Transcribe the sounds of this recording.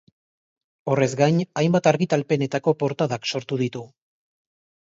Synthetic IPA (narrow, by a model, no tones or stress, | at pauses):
o̞re̞zɡajɲajmbat̪aɾɣit̪alpe̞ne̞t̪ako̞po̞ɾt̪aðakso̞ɾt̪uð̞it̪u